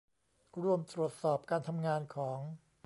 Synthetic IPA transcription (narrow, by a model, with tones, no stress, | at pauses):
ɾu˧əmt̪ɾu˨˩ət̪̚sɔː˨˩p̚kaː˧nt̪ʰa˧mŋaː˧nkʰɔː˩˦ŋ